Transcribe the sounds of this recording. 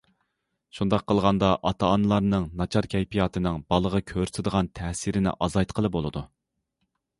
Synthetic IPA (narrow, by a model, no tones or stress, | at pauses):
ʃund̪ɑqʰːəlˠʁɑnd̪ɑʔɑt̪ʰɑːnɨlˠɑɾnɨŋnɑt͡ʃʰɑɾkʲʰɛjpʰijɑt̪ʰɨnɨŋbɑlˠəʁɑkʲʰøɾsɪd̪əʁɑnt̪ʰɛhsiɾɪnɪ̰ʔɑzɑjt̪qʰəlˠɨbolˠɨd̪u